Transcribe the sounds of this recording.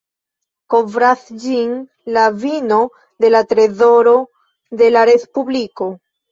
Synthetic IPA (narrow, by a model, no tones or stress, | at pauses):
ko̞vɾasd͡ʒin | lavino̞ | de̞latɾe̞zo̞ɾo̞ | de̞laɾe̞spubliko̞